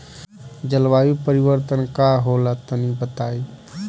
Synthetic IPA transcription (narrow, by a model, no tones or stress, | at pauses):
d͡ʒəlʋaːjipəɾɪwəɾt̪ənkaɦoːlat̪ənibət̪aːi